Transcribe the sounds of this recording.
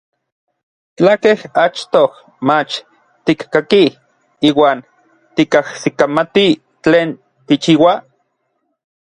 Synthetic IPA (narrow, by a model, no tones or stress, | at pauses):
t͡ɬakehat͡ʃt̪oh | mat͡ʃ | t̪ikkaki | iːwaːn | t̪ikahsikamat̪i | t͡ɬeːn | t̪it͡ʃiːwa